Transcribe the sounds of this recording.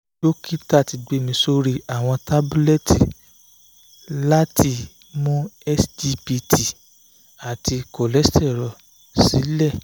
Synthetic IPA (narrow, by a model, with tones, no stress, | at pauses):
lo˦ki˦ta˦˨ti˨ɡ͡be˨˦˨mĩ˧˦so˧ɾi˧a˨w̃ɔ̃˧ta˦bu˦lɛ˦ti˨ | la˦tʰi˧ | mũ˦ɛ˦sdi˧pi˧tʰi˨ | a˨ti˧kɔ˨lɛ˦stɛ˦˨ɾɔ˨ | si˨˦lɛ˦˨